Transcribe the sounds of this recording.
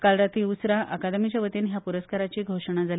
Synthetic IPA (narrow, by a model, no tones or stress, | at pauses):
kalɾat̪iːusɾaʔakad̪mit͡ɕaʋət̪enɦjapuɾəskaɾat͡ɕiːɡʱoʂəɳ̃ad͡zal